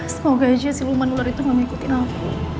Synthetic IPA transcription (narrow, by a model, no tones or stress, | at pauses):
səmoɡad͡ʒasilumanulaɾit̪uŋamikut̪inapu